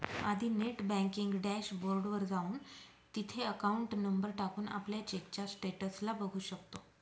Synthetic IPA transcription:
a̰d̪ʱiːneʈbɛ̃ŋkiŋɡɖæɕboɾɖʋəɾd͡zauːn | t̪it̪ʰeəkauɳʈnəmbəɾʈakuːna̰pljat͡ɕekt͡ɕasʈeʈəslabəɡʱuːɕəkt̪o

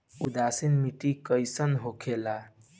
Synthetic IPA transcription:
ud̪asinmiʈikəjsənɦokʰela

